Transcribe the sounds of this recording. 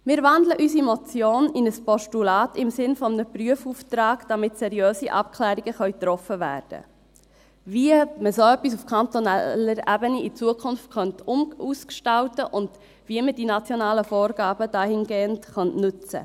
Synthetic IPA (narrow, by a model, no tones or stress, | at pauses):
mɪːɾvɑndləʔysimɔt͡sjoːnɪnəspɔʃtulɑːtɪmsɪnfɔmənəpryəfuːftɾɑːɡd̥ɑmɪtsɛɾiøːsiʔɑ̰pkʰlæːɾiɡəχœʏt̪ɾɔfəvæ̰ːrd̥ə̰ | viəməsoœpːis̬ufkʰɑnt̪ɔnɛləɾæbəniit͡suəkʰʊnftkχœntʊmuːskʃtɑwtəʔʊnd | viəmədinɑt͡sjɔnɑːləfɔːɾɡɑːbəd̥ɑːhɪnɡeːəntχœntnʏt͡sə̰